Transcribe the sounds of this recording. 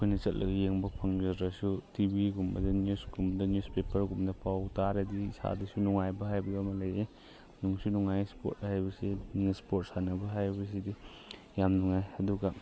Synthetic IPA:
ɐkʰojnɐt͡ʃɐt̚lʔɐ̰ɡijeŋbɐpʰɐŋd͡ʒɐɾɐsutibiɡumbɐdɐnjusɡumbdɐnjuspepʰɐɾɡumdɐpʰawtaɾɐdiːsa̰dɐsunuŋajbɐɦajbɐɐmɐlɐje | nuŋsunuŋajspo̰t̚hajbɐsinispot̚sanɐbɐɦajbɐs̬idi | jamnuŋajɐduɡɐ

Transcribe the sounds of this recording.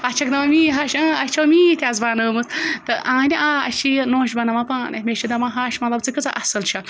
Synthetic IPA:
ɐt͡ʃʰɐk̚d̪ɐmamiːɦaːʃɐɐt͡ʃʰɐwmiːt̪ʲjaːzbaːnəːmɨt͡st̪ɨʔãːnʲiʔaːɐ̰ʃʰijnoːʃ̬bɐnɐmapaːnɐmʲeʃid̪ɐmaɦaːʃmɐt̪lɐb̚t͡sɨkɨt͡sa̰ʔɐsɐlt͡ʃʰɐ

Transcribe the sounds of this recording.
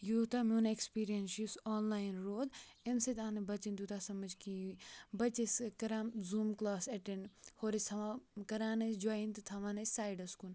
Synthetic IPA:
jut̪amunekspiːɾijɐnsusɔːnlaːjinɾoːd̪enset̪aːnebɐt͡ʃind̪ut̪asɐmɐd͡ʒkibɐt͡ʃeskɐɾaːmzuːmklaːsɐʈeɳɖhoːɾet̪ʰɐʋakɐɾaːnɐsd͡ʒaːint̪ɨt̪ʰɐʋaːnɐsaːjɖɐskun

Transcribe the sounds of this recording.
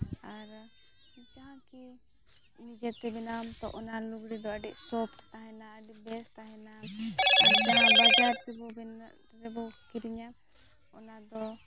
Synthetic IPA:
aɾ | it͡ʃaɦãki | inid͡ʒɛt̪ɛbɛnamt̪ɔ̰ʔɔnaluɡɽid̪ɔəɖiʔsɔpʈt̪aɦɛnaːɖibɛst̪aɦɛ̃naaɾɾd͡ʒanabad͡ʒaɾt̪ɛbɔbɛn | ɾɛbɔkiɾiɲa | ɔnad̪ɔ

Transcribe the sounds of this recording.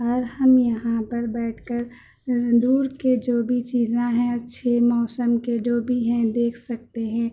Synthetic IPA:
ɔːɾhɐmjɐɦãpɐɾbɛːʈʰkəɾ | d̪uːɾked͡ʒoːbʱit͡ʃiːzãɦɛ̃ɐtːʃʰemɔːsəmked͡ʒoːbʱiɦɛ̃d̪eːkʰsɐk̚t̪eɦɛ̃ː

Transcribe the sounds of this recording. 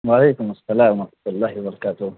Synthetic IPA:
waʕaleːkʊmasːɐlaːmaɐħmḁt̪ʊlːaːɦiwbɐɾˤɑkaːt̪ʊ

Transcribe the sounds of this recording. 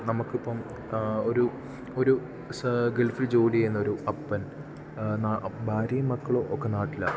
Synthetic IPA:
nɐmukːipːɐm | oɾu | o̞ɾu | sɡelfild͡ʑo̞ːliɐjenːɐo̞ɾuɐpːɐn | nabʱaːɾijɐmːɐkːɐɭoːʔokːenaːʈːilːɐ̰

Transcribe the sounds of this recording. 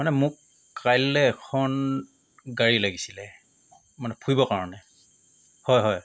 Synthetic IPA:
manɛmʊkː | ajlːɛːkʰɔn | ɡaɹilaɡisilɛ | manɛpʰujbɔkaɹɔnɛ | hɔjɦɔj

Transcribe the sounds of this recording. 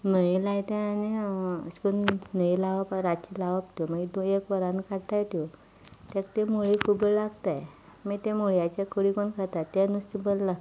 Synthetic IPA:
məɭilajt̪ɛ̃aniskunnəilaʋəpaɾat͡ɕilaʋəpt̪joməɡid̪oekʋəɾãnkaɽt̪ajt̪jo | t̪ɛkt̪emoɭikʰubəɭlaɡt̪aj | mit̪emoɭijat͡ɕekəɽikonkʰat̪at̪ːenust̪ibəlla

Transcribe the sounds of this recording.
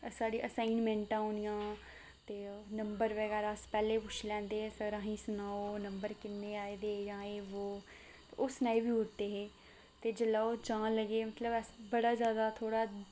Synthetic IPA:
saːɽiːʔəsaːɪnmɛ̃ːɳʈãːõnijãː | t̪eːnəmbəɾʋəɡɛːɾaːspɛːleːpʊt͡ʃʰlɛ̃ːnd̪eːesəɾãːɦĩːsʊnaːoːnəmbəɾkɪnːeːaːed̪eːd͡ʒãːeːʋoː | oːsnaːibiːʊʈt̪eːɦeː | t̪eːd͡ʒəlaːoːd͡ʒãːləɡeːmət̪ləbɛsbəɽaːzjaːd̪aːt̪ʰoːɽaː

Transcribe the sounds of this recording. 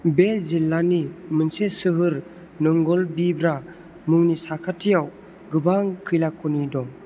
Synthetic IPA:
bezilːanimɯnsesɯɦɯɾ | nɯŋɡɔlbibɾa | mɯŋnisakʰatʰijaw | ɡɯbaŋkʰɯjlakʰunidɔ

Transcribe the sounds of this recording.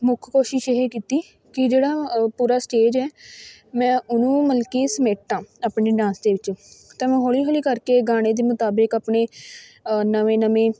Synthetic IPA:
mʊkʰkoːʃɪʃeɦeːkiːt̪iː | kɪd͡ʒeːɽaːpuːɾaːsʈeːd͡ʒɛː | mɛ̃ːʊnũːməlkiːsəmeːʈːãːaːpɳeːɖãːnsd̪eːʋɪt͡ʃːt̪ɛ̃ːmɛ̃ːɦoːliːɦoːliːkəɾkeːɡaːɽ̃eːd̪eːmʊt̪aːbɪkaːpɳeː | nəʋẽːnəmẽː

